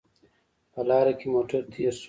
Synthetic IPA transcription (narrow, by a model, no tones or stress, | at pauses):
pɐlaːɾɐkimoːʈɐɾt̪ʰiɐs